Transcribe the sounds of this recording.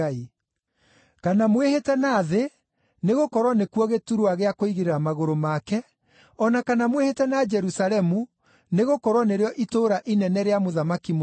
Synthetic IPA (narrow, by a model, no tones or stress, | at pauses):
ai | kanamwehetɛnaːðe | neɣokɔɾwɔnekwɔɣetuɾuaɣeakoiɣeɾeɾamaɣoɾomakɛ | ɔnakanamwehetɛnad͡ʒɛɾusaɾɛmu | neɣokɔɾwɔneɾeɔʔitoːɾaʔinɛnɛɾeamoðamakim